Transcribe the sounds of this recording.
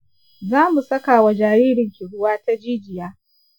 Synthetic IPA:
zaː˦mu˨sɐ˦ka˨wa˨d͡ʒaː˨jiː˦ɽɪ˨ŋkʲi˨ɽʊ˦waː˦ta˦d͡ʒiː˦d͡ʒɪ˨jaː˦

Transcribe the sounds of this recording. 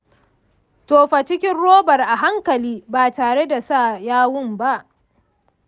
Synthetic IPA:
toː˨ɸa˨t͡ʃɪ˦kʲɪ˦nɽoː˦bɐ˨rʔa˨ɦa˦ŋkɐ˨liː˦baː˨taː˨ɽe˦da˨sa˦˨jaː˦wʊ˦mba˦ʔ

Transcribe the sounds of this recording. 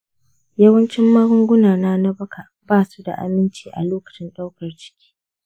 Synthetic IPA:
jɐ˦wɐ˦nt͡ʃɪ˦mːɐ˦ɾʊ˦ŋɡʷʊ˦naː˨naː˦na˦bɐ˦kʰa˨ | baː˦su˦da̰˨ʔa̰˨mɪ˦nt͡ʃiː˦ʔa̰˨loː˦kɐ̥˨t͡ʃɪ˦nɗa˦wkɐ˨rt͡ʃɪ̥˦kʲi̥ː˦

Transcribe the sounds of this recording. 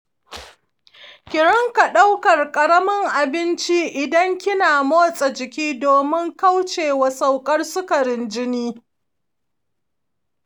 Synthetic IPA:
kʲɪ˨ɽɐ˦ŋka˨ɗa˦wkɐ˨rkʼɐ˨ɽɐ˦mɪ˦ŋʔa˨bɪ˦nt͡ʃi˦ʔɪ˨dɐ˦ŋkʲɪ˦naː˨moː˦sʼɐ˨d͡ʒɪ˨kʲiː˦doː˨mɪ˦ŋka˦wt͡ʃeː˨wa˨sa˨wkʼɐ˦rsʊ˦kɐ˨ɾɪ˦nd͡ʒɪ˦niː˦

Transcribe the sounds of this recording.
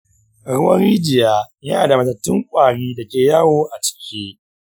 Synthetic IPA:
ɽʊ˦wɐ˦ɾiː˦d͡ʒɪ˨jaː˦jaː˨da˨mɐ˨tɐ˨tːɪ˦ŋkʷʼaː˨ɽiː˦dɐ˨kʲeː˨ja˦woː˦ʔa˨t͡ʃɪ̥˨kʲʰiː˦

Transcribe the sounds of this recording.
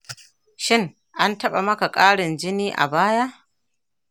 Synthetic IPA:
ʃɪ˦ŋ | ʔa˦ntɐ˦ɓa˨mɐ˦ka˨kʼaː˦ɽɪ˨nd͡ʒɪ˦niː˦ʔa̰˨baː˦ja˦ʔ

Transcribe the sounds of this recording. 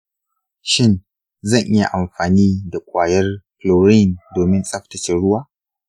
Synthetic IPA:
ʃɪ˦˨n | zɐ˦˨ŋʔɪ˦ja̰˨ʔa˨mɸaː˨niː˦da˨kʷʼaː˨jɐ˦rɸloː˨ɾi˦˨ndoː˨mɪ˦nsʼɐ˦ɸtɐ˨t͡ʃɪ˨ɽʊ˦waː˦

